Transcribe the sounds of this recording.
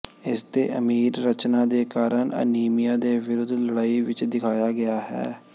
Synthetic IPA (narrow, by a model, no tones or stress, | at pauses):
ɪst̪eːʔəmiːɾːət͡ʃnaːd̪eːkaːɾəɳə̰niːmijãːd̪eːʋɪɾʊd̪ʱləɽaːiːʋɪt͡ʃd̪ɪkʰaːjaːɡɪaːɦɛ̰ː